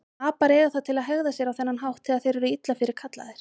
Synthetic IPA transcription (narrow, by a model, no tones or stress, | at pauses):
aːpaɾɛːɣaθaðt̪ʰɪlaðɦœɣðasjɛɾawθɛnːanɦawht̪ʰːɪlaðθejɾɛɾʏit̪lafɪɾɪɾ̥kʰat̪la̰ðɪɾ̥